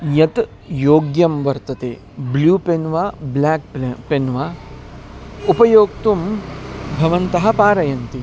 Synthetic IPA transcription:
jɐt̪ | joːɡjɐmʋɐɾt̪ɐt̪ḛː | bluːpenʋaːblaːk̚penʋaː | upɐjoːk̚t̪um | bʱɐʋɐnt̪ɐɦɐ̆paːɾɐjɐnt̪i

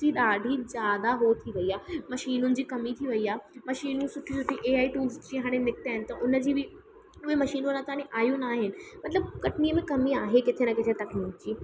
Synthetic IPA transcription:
iɗaːɖʱizjaːd̪aɦot̪ʰiʋɐiaːmɐʃiːnʊnɪ̆d͡ʑiːkɐmit̪ʰiʋɐiaːmɐʃiːnũsʊʈʰisʊʈʰːiʔeːaːiʈuːlzt͡ɕiːɦaːɽ̃enɪk̚t̪aːɦɪnɪ̆t̪ɐʔʊnəd͡ʑiːbʱɪ | ʊemɐʃiːnunat̪ãːneʔaːjũnaːɦɪnɪ̆mɐt̪ləb̚kɐʈniəmẽkɐmĩaːɦekɪt̪ʰenɐkɪt̪ʰet̪ɐkniːkd͡ʑiː

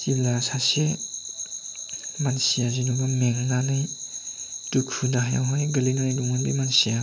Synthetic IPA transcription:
tiblasase | mansijazinubameŋnanaj | tukʰudaɦja̰wɦajɡɐlinanajduŋanbimansija

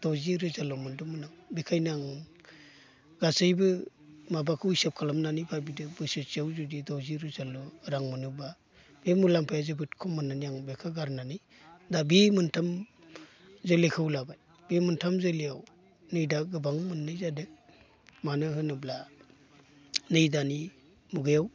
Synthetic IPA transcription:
d̥ɔwziɾɯzalɔmɯndɔmɯnaŋbekʰajnaŋ | ɡasɯjbɯ | mabakʰɯujsap̚kʰalamnanijbabidɯbɯsɯt͡ʃiawzudidɔwziɾɯzalɔɾaŋmɯnuba | b̥emulaŋpʰajazɯbɯtkʰɔmɯnanijaŋbekʰaɡaɾnani | dabemɯntʰam | zɯlekʰɯwlabaj | bemɯntʰamzɯlijaw | nɯjdaɡɯbaŋmɯnːɯjzadɯ | manɯɦɯnɯbla | nɯjdani | muɡɯjaw

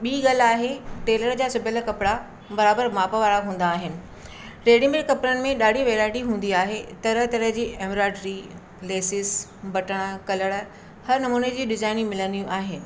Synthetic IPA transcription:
ɓiːɡal̤aːɦeʈeːləɾd͡ʑaːsʊbʱɪləkɐpɪɽa | bɐɾaːbəɾmaːpəʋaːɾaɦũːn̆d̪aːɦɪnɪ̆ | ɾeːɽɪ̃ŋbeʈkɐpɾənɪ̆mẽɗaːɖʱiʋeːɾaːɪʈiɦũːn̆d̪iaːɦet̪ɐɾəɦt̪ɐɾəɦd͡ʑiːʔeːmɾaːʈɾi | leːsɪsbʱɐʈəɽ̃ə̆kɐləɽə̆ | hɐɾnɐmuːned͡ʑiːɗɪzaːɪnimɪlənjũʔaːɦɪnɪ̆

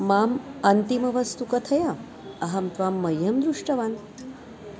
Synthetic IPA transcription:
maːmɐnt̪imɐʋɐst̪ukɐt̪ʰɐja | ɐɦɐmt̪ʋaːmːɐjːɐmd̪ɾuʂʈɐʋaːn

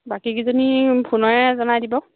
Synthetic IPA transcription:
bakikizɔnibʰunɔɹɛzɔnadibɔ

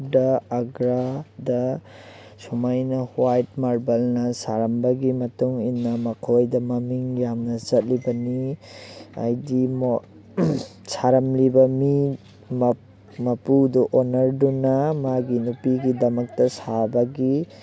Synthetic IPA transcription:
dɐːɡɾadɐ | sumajnɐhwajt̚maɾbɐlnɐsaɾɐmbɐɡimɐtuŋinːɐmɐkʰojdɐmɐmiŋjamnɐzɐt̚libɐni | a̰jdim | saɾɐmlibɐmi | m | mɐpudɔʔonɐɾdunɐmaɡinupiɡidɐmɐk̚tɐsabɐɡi

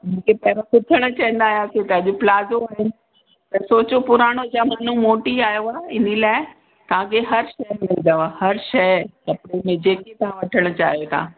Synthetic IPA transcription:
mũːkʰepɐɪʋãkʊt̪ʰəɽ̃ə̆t͡ɕɐ̃ĩn̆d̪aːɦijat̪ʰet̪ɐɐʄʊplaːzoaːɦɪnɪ̆ | t̪ɐsoːt͡ɕopʊɾaːɽ̃od͡ʑaːman̤ũmoːʈiaːjoaːɪnilaːɪ | t̪ɐʋ̤ãkʰeɦɐɾʃɐjmɪlnd̪əahɐɾʃɐɐpɽemẽd͡ʑeːket̪ɐʋ̤ãʋɐʈʰəɽ̃ə̆t͡ɕa̰ːɦijot̪ʰa̰ː

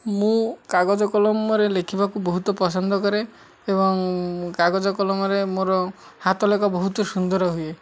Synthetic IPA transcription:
mũkaɡod͡ʒɔkɔlɔmɔɾelekʰibakubɔɦut̪ɔpɔsɔnd̪ʱɔkɔɾeː | bɔŋkaɡɔd͡ʒɔkɔlɔmɔɾemoɾɔ | hat̪ɔlekabɔɦut̪ɔsund̪ɔɾɔɦue

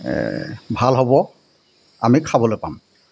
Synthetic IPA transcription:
bʱalɦobɔ | a̰mikʰabɔlojpam

